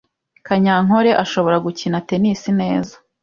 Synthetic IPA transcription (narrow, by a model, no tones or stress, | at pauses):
kaɲaŋo̞ɾe̞ʔaʃo̞βo̞ɾaɡucinate̞nisine̞ːzḁ